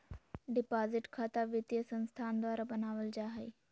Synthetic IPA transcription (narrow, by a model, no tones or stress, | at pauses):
ɖipaziʈkʰat̪aʋit̪jəsənst̪ʰand̪ʋaɾabənaʋəld͡ʑaɦaj